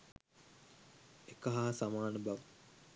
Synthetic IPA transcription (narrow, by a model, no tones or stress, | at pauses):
ekəɦaɦasamaːnəbaʋə